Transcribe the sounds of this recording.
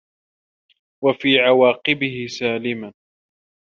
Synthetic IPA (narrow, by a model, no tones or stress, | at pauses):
wafiːʕawaːqɪbɪhɪsaːlɪman